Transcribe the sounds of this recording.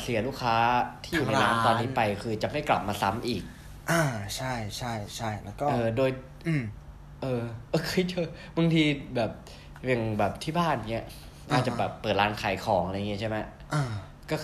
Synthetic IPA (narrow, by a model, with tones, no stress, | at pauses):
si˨˩˦luː˥˩kʰːaː˦˥t̪ʰiː˥˩ju˨˩na˧jna˦˥t̪ɔː˧nːiː˦˥pa˧jkʰɯː˧t͡ɕa˨˩ma˥˩jkla̰˨˩p̚maː˧sa˦˥mʔiː˨˩k̚ | ʔaː˧˩t͡ɕʰa˥˩jt͡ɕʰa˥˩jt͡ɕʰa˥˩jlːkɔ˥ʔɤː˩˧doː˧j | ʔɤː˧ʔoː˧kʰe˧˥jt͡ɕɤ˧˩ | ba˧ŋt̪ʰiː˧bɛː˨˩p̚ | a˨˩ŋbɛː˨˩p̚t̪ʰiː˥˩baː˥˩n˩ŋi˦˥ɐ | ʔa˧˩t̪̚t͡ɕa˨˩bɛː˨˩pːɤː˨˩t̪̚laː˧nkʰaː˩˦jkʰɔː˩˦ŋa˧a˧jaː˨˩ŋi˦˥t͡ɕʰjma˦˥ | ʔaː˧˩ | kɔː˥˩